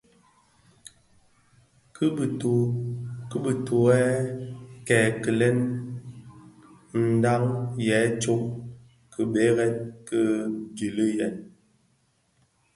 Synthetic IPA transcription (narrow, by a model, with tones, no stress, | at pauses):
kə˦˨o˨kə˦bə˨to˨ɛ˦ | kɛː˨kə˨lɛ˦n | n̩˨da˦ŋjɛ˨˦t͡ʃo˦m | kʰə˨ɓe˦ɣɛ˦nkə˦d͡ʒi˨lə˦jɛ˨n